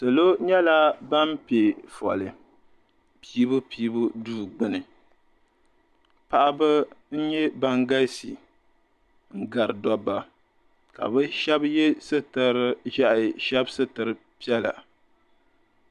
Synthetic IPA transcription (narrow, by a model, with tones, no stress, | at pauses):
sɨ˨lo˦ɲɛ˦la˦ba˦mpe˨fɔ̰˨lɨ˨ | piː˦bʊ˦piː˦bu˦duː˦˨ɡ͡bɨ˦nɨ˨ | pa˨ʔa˦bɨ˦n̩˦ɲɛ˦ba˦ŋɡa˦si˨ | ŋ̩˦ɡa˨ɾɨ˨dɔ˦ba˨ | ka̰˨bɨ˦ʃɛ˦bjɛ˦sɨ˦tɨ˨ɾɨ˦ʒa˦ʔʃɛ˦bsɨ˦tɨ˨ɾɨ˨ | pi˦ɛ˦la̰˨